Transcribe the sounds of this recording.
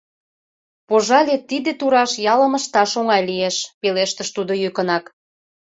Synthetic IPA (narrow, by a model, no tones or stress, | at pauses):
poʒɑlʲet̪id̪et̪uɾɑʃjɑlə̆məʃt̪ɑʃoŋɑjlijeʃpeleʃt̪əʃt̪ud̪ojykənɑk